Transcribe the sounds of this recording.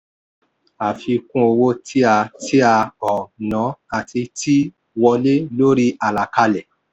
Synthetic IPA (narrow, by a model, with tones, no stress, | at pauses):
a˨fi˧kũ˦o˧wo˦tʰi˦a˧ti˦a˧ɔ˨nã˨˦a˨ti˧tʰi˦ | wɔ˧le˦lo˦ɾi˦ʔa˨la˨ka˧lɛ˨